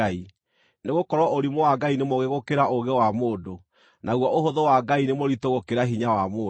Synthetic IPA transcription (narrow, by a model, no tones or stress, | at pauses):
ai | neɣokɔɾwɔʔoɾimowaɡainemɔɣeɣokeɾaʔoɣɛwamoːdo | naɣwɔʔoɦoðowaɡainemoɾitoɣokeɾaɦiɲawamoː